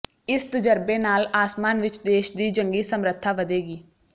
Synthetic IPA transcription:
ɪst̪əd͡ʒəɾbeːnaːlaːsmaːnʋɪt͡ʃd̪eːʃd̪iːd͡ʒəŋɡiːsəmɾət̪ʰːaːʋəd̪eːɡiː

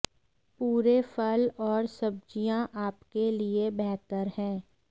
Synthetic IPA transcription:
puːɾefʰəlɔːɾsɐb̚d͡ʒijãʔaːpkeliebɛɦt̪əɾhɛ̃ː

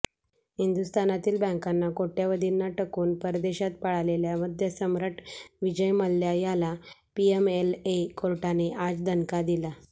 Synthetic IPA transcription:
hind̪ust̪anat̪iːlbɛ̃ŋkanːakoʈjaʋəd̪ʱinːaʈəkuːnpəɾd̪eɕat̪̚paɽaleljaməd̪ʱjəsəmɾəʈʋid͡ʑəjməlːjajala | piemelekolʈaneʔad͡zd̪ʱənkad̪ila

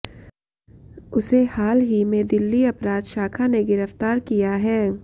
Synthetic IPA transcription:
ʊsehaːlɦimẽd̪ɪlːiɐpɾaːd̪ʃaːkʰaneɡɪɾəft̪aːɾkijaɦɛː

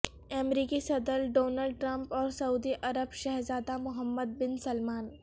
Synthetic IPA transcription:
ɛmɾiːkisɐd̪əɾɖoːnaːlɖ̚ʈɾɐ̃mpɔːɾsɐuːd̪iʔɐɾəbʃɛɦɾzaːd̪amʊɦəmːəd̪̚bɪnsɐlmaːn

